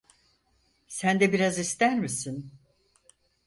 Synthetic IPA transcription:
sænd̪ɛbiɾazist̪æɾmisin

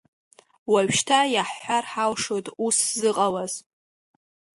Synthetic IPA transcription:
waɥʃtʰajaħħʷarħawʂotʼuszɨqʼawaz̥

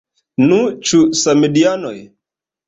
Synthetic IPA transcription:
nũt͡ʃusamedianɔ̰j

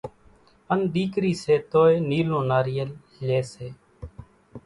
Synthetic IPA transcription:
ənd̪iːkɾiːseːt̪oːeːniːlõːnaːɾɪjəl | leːseː

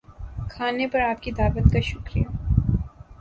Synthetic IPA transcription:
kʰaːnepɐɾaːp̚kid̪aːbət̪kaʃʊkɾija

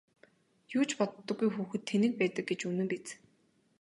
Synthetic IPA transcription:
juːt͡ɕpɔt̪ːɞ̆ɡujxuːxɘ̆t̪ʰːenɘ̆k̚pæːt̪ə̆k̚ɡet͡ɕɵnɘ̆mpit͡s

